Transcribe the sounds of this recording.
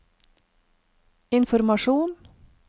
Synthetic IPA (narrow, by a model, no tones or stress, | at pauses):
ɪnfɔɾmɑʃuːn